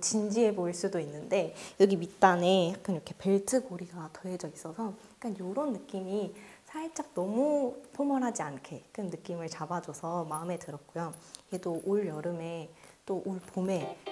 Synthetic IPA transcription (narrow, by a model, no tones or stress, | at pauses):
t͡ɕind͡ʑie̞boiɭs͈udoinːɯnde̞jʌɡimit͈ane̞jak͈aniɾʌkʰe̞pe̞ɭtʰɯɡoɾiɡatʌɦe̞d͡ʑʌis͈ʌsʰʌik͈anjoɾonːɯk͈imisʰaiɭt͡ɕ͈ak̚nʌmupʰomʌɾɦad͡ʑiankʰe̞kʰɯnnɯk͈imɯɭt͡ɕabad͡ʑosʰʌmaɯme̞tɯɾʌt̚k͈ojoedoʔoɭjʌɾɯme̞t͈oʔoɭpome̞